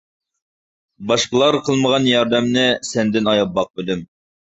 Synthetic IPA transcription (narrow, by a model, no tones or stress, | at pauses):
bɑʃqəlˠɑɾqʰəlˠməʁɑnjɑɾd̪ɛmnɪsɛnd̪ɪnɑjɑp̚bɑq̚bylym